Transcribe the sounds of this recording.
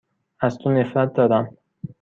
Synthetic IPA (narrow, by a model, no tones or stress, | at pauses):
æzt̪ʰone̞fɾæt̪̚d̪ɒːd̪æm